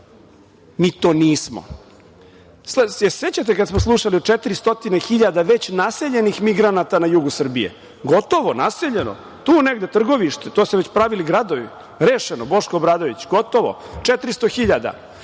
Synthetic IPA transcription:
miːt̪oːniːsmo̰ | sleset͡ɕat̪̬ekad̪smoslˠuʃaliot͡ʂet̪ɾist̪o̞t̪inexiʎad̪aʋe̞t͡ɕnase̞ʎe̞nixmiɡɾanat̪anajuːɡusr̩bijḛ | ɡo̞t̪o̞ʋonase̞ʎeno̰ | t̪uːneɡd̪e̞t̪r̩ɡo̞ʋiʃt̪et̪oːseʋet͡ɕpɾaʋiliɡɾad̪oʋi | ɾeːʃenobo̞ʃkoobɾaːd̪o̞ʋit͡ɕɡot̪o̞ʋo̰ | t͡ʃet̪ɾist̪oxiʎad̪a̰

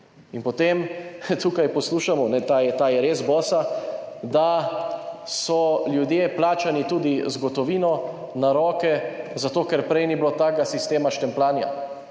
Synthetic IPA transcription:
inpɔt̪emt̪ukajpɔsluːʃamɔnɛt̪ajɛt̪aːjɛɾeːzbɔːsad̪a | sɔljud̪jeplaːt͡ʃanit̪uːd̪izɡɔt̪ɔʋiːnɔ | naɾɔːkɛzat̪oːkɛɾpɾɛjniblot̪aːɡasist̪eːmaʃt̪ɛmplaːnja̰

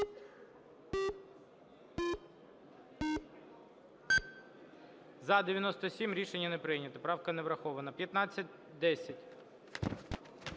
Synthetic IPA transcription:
zɐd̪eʋʲjɐnɔst̪ɔsʲimɾʲiʃenʲːɐnepɾɪjnʲɐt̪ɪpɾɑwkɐnɛʋɾɐxɔʋɐnɐpʲjɐt̪nɑt͡sʲːɐt̚ʲ | d̪ɛsʲɐtʲ

